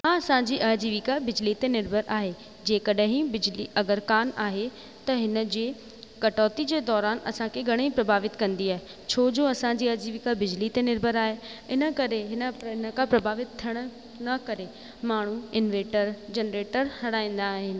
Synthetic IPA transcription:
ɦãɐsãɲd͡ʑiːʔaːd͡ʑiːʋikabɪd͡ʑlit̪enɪɾbʱəɾʔaːɦe | d͡ʑeːkɐɗɦĩbɪd͡ʑliʔɐɡəɾkaːnaːɦe | t̪ɐɦɪnə̆d͡ʑeː | kɐʈɔːt̪id͡ʑeːd̪ɔːɾaːnɐ̰sãkʰeɡʱɐɽ̃ipɾɐbʱaːʋɪt̪kɐ̃nd̪iaːɦe | t͡ɕʰoːd͡ʑõɐsãɲd͡ʑiːɐɾd͡ʑiːʋikabɪd͡ʑlit̪enɪɾbʱəɾaːɦe | ɪnə̆kɐɾeɦɪnəɦɪnə̆kapɾɐbʱaːʋɪt̪̚t̪ʰiəɽ̃ʊ̆ | nɐkɐɾe | maːɳ̤uɪnʋeːʈəɾd͡ʑenɾeːʈəɾhɐɽ̃aːĩːn̆d̪aːɦɪnɪ̆

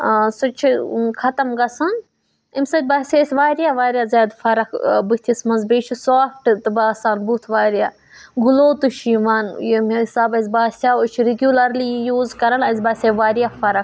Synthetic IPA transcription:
sut͡ʃʰikʰɐt̪ɐmɡɐsɐn | imʲsɐt̪̚ʲbaːsʲeːsʲʋaːɾjaːʋaːɾʲijaːzʲaːd̪fɐɾɐkʰbut̪ʲʰismɐnzbeːt͡ʃʰisaːfʈt̪ɨbaːsaːnbut̪ʰʋaːɾijaː | ɡuloːt̪uʃiʋaːnjemisaːbɐzʲbaːsʲaːut͡ʃʰiɾiɡʲjulɐɾlijuːzkɐɾɐnɐzʲbaːsʲeʋaːɾjaːfɐɾɐkʰ

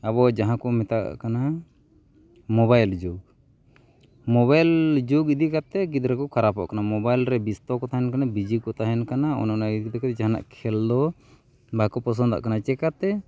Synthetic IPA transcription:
abɔd͡ʒaɦãkɔmɛt̪a̰ʔkana | mɔbajld͡ʒuɡ | mɔβajld͡ʒuɡid̪ikat̪ɛɡid̪ɾɛkɔkʰaɾapɔ̰ʔkanamɔbajlɾɛbist̪ɔkɔt̪aɦɛnkanabid͡ʒikɔt̪aɦɛnkanaɔ̰nanaid̪ikt̪ɛkɛt̪d͡ʒaɦana̰ʔkʰɛld̪ɔ | bakɔpɔs̬ɔnd̪a̰ʔkanat͡ʃɛkat̪ɛ

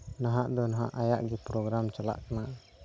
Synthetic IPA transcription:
naɦaʔd̪ɔnaɦa̰ʔajaʔɡipɾɔɡɾamt͡ʃəla̰ʔkənaʔ

